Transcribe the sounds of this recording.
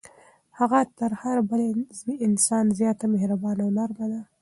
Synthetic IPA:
haɣat̪əɾhaɾbəlzmiɪnsɑnzjɑt̪amehɾabɑnawnaɾmad̪a

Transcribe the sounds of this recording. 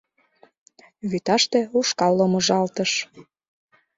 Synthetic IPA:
βyt̪ɑʃt̪euʃkɑlːomoʒɑlt̪əʃ

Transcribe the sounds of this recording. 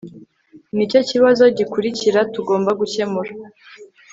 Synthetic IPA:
nico̞ciβazo̞ɟikuɾiciɾatuɡo̞ːmbaɡuce̞muɾa

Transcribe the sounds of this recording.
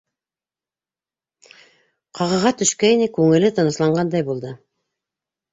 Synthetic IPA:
qʰɑʁɤ̆ʁɑt̪ɵ̆ʃkæinɘkʉŋɘ̆lɘt̪ɤ̆nɤ̆slˠɑɴʁɑnd̪ɑjbulˠd̪ɤ

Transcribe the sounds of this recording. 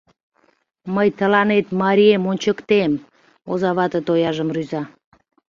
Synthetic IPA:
məjt̪əlɑnet̪mɑɾʲiemonʲt͡ɕəkt̪em | ozɑβɑt̪ət̪ojɑʒəmryzɑ

